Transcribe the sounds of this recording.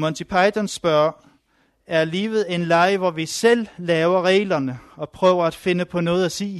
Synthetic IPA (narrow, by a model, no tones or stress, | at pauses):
mɔ̽nt͡sʰipʰɑ̈ɪt͡sʰɐnsb̥ɶɐ̰ | æɐliːʋð̩ˠe̝nlɑ̈ɪʋɒʋisel̰ːɛːʊɐʁɛ̰ːlɐnəɒ̽pʰʁœ̰ːʊɐæd̥fe̝nəpʰɒ̽nɔ̽ːð̞̩ˠæsḭː